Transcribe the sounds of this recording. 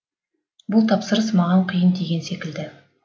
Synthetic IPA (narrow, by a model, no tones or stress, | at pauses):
bʊlˠt̪ʰɑpsəɾəsmɑʁɑɴqʰijənd̪e̞ɡʲe̞nsekʲɪld̪ɪ